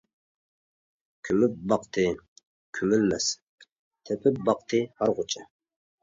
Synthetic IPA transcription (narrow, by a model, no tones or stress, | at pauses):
kʲʰymyp̚bɑqt̪ʰɨ | kʲʰymylmɛs | t̪ʰɛpʰɪp̚bɑqt̪ʰɨhɑɾʁʊt͡ʃʰɛ